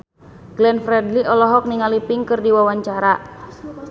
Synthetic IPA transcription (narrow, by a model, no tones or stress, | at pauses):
ɡ̥lɛnfɾɛdliɔlɔɦɔk̚niŋalipiŋkɨrdiwawaɲt͡ʃaɾa